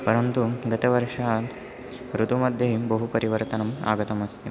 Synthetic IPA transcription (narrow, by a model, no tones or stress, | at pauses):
pɐɾɐnt̪uɡɐt̪ɐʋɐɾʂaː | ɾut̪umɐd̪ʱjɐɦibɐɦupɐɾiʋɐɾt̪ɐnɐma̰ːɡɐt̪ɐmɐst̪i